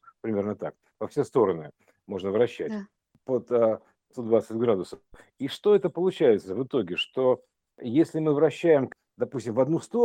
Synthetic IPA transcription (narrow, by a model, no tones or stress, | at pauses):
pɾʲɪmʲe̞rnət̪a̰k̚ | pɐfsʲest̪o̞ɾənɨ | mo̞ʐnəvɾɐɕːætʲ | pot̪ə | t̪od̪vat̪sətʲɡɾad̪ʊsəf | iʂt̪o̞ɛt̪əpəlˠʊt͡ɕæjɪt̪səvɨt̪o̞ɡʲɪʂt̪o̞ | jesʲlʲɪmɨvɾɐɕːæjɪm | d̪ɐpusʲtʲɪmvɐd̪nust̪o